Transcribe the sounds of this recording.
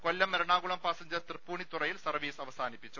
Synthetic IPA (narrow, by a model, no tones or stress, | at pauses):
ko̞lːɐmeɾɐɳaːɣuɭɐmpaːsɐɲd͡ʑɐrt̪rɨpːuːɳit̪urɐjilsɐrʋiːsɐʋɐsaːnipːit͡ɕːu